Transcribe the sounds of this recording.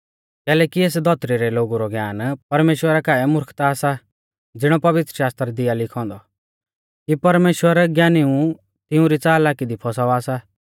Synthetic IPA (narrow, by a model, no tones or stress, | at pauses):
kɛːlɛːkieːsd̪ʱɔt̪ɾiɾɛloːɡuɾɔɡjaːnpɐɾmeːʃwəɾakaːɛmʊɾkʰt̪aːsa | d͡zɪɽ̃ɔpɐʋɪt̪ɾəʃaːst̪ɾd̪ɪjalɪkʰɔ̃ːnd̪ɔ | kipɐɾmeːʃwəɾɡjaːniũ | t̪ɪũɾit͡saːlaːkid̪ipʰɔsaaːsa